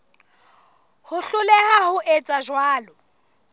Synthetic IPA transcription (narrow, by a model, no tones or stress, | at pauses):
hʊɬʊlɛhahʊʔet͡sʼaʒwaːlɔ